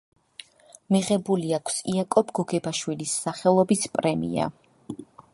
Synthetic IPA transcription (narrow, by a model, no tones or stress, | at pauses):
miʁɛbuliakʰsiakʼɔbɡɔɡɛbaʃwilisːaχɛlˠɔbispʼɾɛmḭa̰